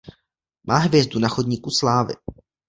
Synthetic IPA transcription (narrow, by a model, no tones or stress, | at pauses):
mʔaːɦvjɛzdunaxodɲiːkuslaːvɪ̰